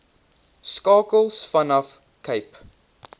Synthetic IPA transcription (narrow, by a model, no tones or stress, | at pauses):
skɑːkəlˠsfʌnɔf | kʰeɪp